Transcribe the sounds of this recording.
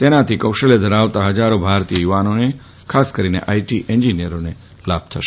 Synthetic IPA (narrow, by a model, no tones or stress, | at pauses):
t̪enat̪ʰikəwʃəled̪ʱəɾaʋt̪aɦəd͡ʒaɾobʱaɾt̪ijəjuʋanone | kʰaskəɾinḛʔaiʈiʔɛɲd͡ʒinijəɾone | lab̚t̪ʰəʃ